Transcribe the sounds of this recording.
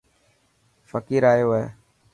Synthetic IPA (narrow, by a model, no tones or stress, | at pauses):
fəkiːɾaːjoːɦeː